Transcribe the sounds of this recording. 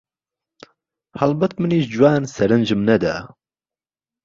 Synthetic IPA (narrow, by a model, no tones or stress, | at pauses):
hɐlbɐt̪mɨniːʒd͡ʒuwaːnsɛɾɨnʒɨmnɛd̪a̰ː